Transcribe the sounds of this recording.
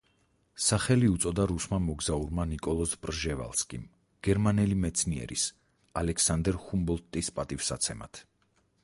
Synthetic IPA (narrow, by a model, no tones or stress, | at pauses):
saχɛliut̪sʼɔd̪aɾusmamɔɡzauɾmanikʼɔlˠɔspʼɾʒɛva̰lˠskʼim | ɡ̥ɛɾmanɛlimɛt̪sʰniɛ̰ɾḭs | alɛkʰsand̪ɛɾχumbɔlˠt̪ʼispʼat̪ʼifsat̪sʰɛma̰t̪ʰ